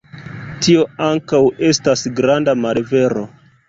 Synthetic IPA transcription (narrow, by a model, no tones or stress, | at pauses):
tio̞aŋkawe̞stasɡɾandamalve̞ɾo̞̰